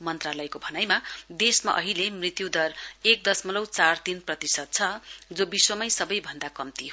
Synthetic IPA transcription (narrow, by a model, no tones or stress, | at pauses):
mʌnt̪ralʌjkobʱʌnajmad̪esma̰ʔʌ̰ɦilemrit̪jud̪ʌrek̚d̪ʌsmʌlʌwt͡sart̪inprʌt̪isʌd̪̚t͡sʰʌd͡zobiswʌmʌjsʌbʌjbʱʌnd̪akʌmt̪iɦo